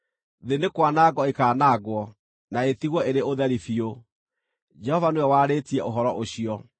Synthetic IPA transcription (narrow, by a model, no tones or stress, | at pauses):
ðenekwanaːɡɔekaːnaɡwɔ | naetiɣwɔeɾeoðɛɾifio | d͡ʒɛhɔvanoɛwaːɾetiɛoɦɔɾɔʔoɕiɔ